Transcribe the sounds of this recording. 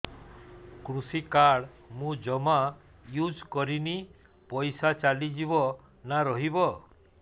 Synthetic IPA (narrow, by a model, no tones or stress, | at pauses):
kɾusikaɽmũd͡ʒɔma | jud͡ʒkɔɾini | pɔjsat͡ʃalid͡ʒibɔ | naɾɔɦibɔ